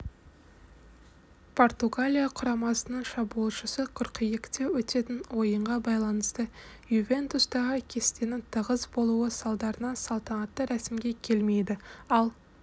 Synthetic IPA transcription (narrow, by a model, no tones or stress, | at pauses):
pʰo̞rt̪uɡalʲijaqʰʊɾɑmɑsənəɴʃɑbuəlˠʃəsəqʰʊɾqəjɪkt̪e̞wɵt̪e̞t̪ɪnwo̞jəɴʁɑbɑjlˠɑnəst̪ə | juvʲe̞nt̪ust̪ɑʁəkʲʰe̞st̪e̞nɪŋt̪ʰəʁəzbo̞lˠuəsɑlˠd̪ɑɾənɑnsɑlˠt̪ɑnɑt̪ːəɾæsɪmɡʲe̞kʲʰe̞lme̞jd̪ɪɑlˠ